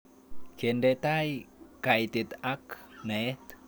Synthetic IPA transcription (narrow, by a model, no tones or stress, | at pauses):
kendet̪ajkajt̪it̪aknet̪